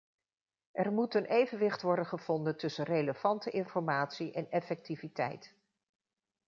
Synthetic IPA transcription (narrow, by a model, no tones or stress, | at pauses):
ʔɛɹmutənʔejvənʋɪχtʋɔɹdənχəv̥ɔndəntɵsənrejləv̥ɑntəʔɪnfɔɹmaːtsiʔɛnɛfɛk̚tivitɛ̰jt